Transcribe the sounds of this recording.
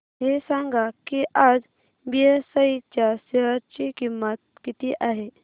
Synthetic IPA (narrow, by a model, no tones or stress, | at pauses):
ɦesãŋɡakiʔad͡ʒ | biesait͡ɕaseɦəɾt͡ʃikimːət̪̚kit̪iʔaːɦe